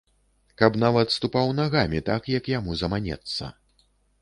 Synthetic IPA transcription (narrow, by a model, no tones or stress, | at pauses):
kɐpnavɐt̪st̪upawnaɣamʲit̪akjɐkjamuzɐmanʲɛ̰t̪sːɐ̰